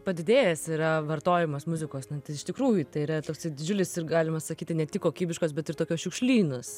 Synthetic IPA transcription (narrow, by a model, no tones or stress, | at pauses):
pɐd̪ʲɪd̪ʲeːjɛsiɾɐʋɐrt̪oːjɪmosmʊzʲɪkoːsnʊt̪ʲɐɪɪʃt̪ʲɪkɾuːjʊt̪ɐɪiɾɐt̪oːksɐɪd̪ʲɪd͡ʒʲʊlʲɪsɪɾɡɑːlʲɪmɐssɐkʲiːt̪ʲɪnʲɛt̪ʲɪkːoːkʲiːbʲɪʃkoːs̬bʲɛt̪ɪɾtoːkʲoːsʃʲʊkʃʲlʲiːnos